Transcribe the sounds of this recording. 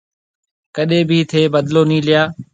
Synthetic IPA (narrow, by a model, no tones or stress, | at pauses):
kəɗẽːbʱiːt̪ʰeːbəd̪loːnĩːlɪjaː